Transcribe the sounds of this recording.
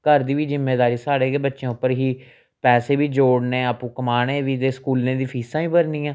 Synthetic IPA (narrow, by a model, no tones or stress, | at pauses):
kəɾd̪iːʋiːzɪmːeːd̪aːɾiːsaːɽeːɡeːbətːʃẽːʊpːəɾɦiː | pɛːseːbiːd͡ʒoːɽneːəpũːkəmaːɽeːʋiːd̪eːskuːlneːd̪iːpʰiːsãːiːbəɾniːãː